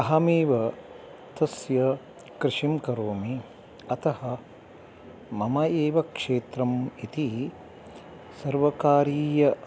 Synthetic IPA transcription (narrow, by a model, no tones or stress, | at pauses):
ɐɦɐmeːʋɐ | t̪ɐsjɐ | kɾɪʂimkɐɾoːmi | ɐt̪ɐhɐ | mɐmɐeːʋɐkʂeːt̪ɾɐmit̪i | sɐɾʋɐkaːɾiːjɐ